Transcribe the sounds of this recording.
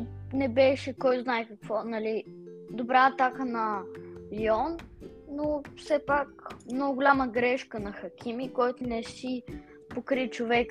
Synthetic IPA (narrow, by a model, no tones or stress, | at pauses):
nɛbɛʃɛkɔjznaɛkɐkvɔnɐlid̪obɾaːt̪akənɐliɔnː | ofsɛpakmnɔɡʊɡʊlʲaməɡɾɛʃkənɐxɐkʲimikɔjt̪ʊnɛsi | pokɾit͡ʃovɛk